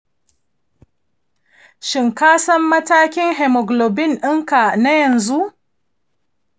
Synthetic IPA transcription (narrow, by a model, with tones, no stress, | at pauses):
ʃɪ˨ŋkaː˦sɐ˦mːɐ˦taː˦kʲɪ˦ŋɦɛ˨mɔ˨ɡlo˨bɪ˦nʔɪ˦ŋka˨na˦jɐ˨nzu˦ʔ